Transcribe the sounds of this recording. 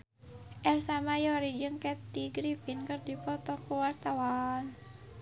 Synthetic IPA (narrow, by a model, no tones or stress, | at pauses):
ʔɛrsamajɔɾid͡ʒɨŋkɛt̪iɡɾipinkɨrdipɔt̪ɔkuwart̪awan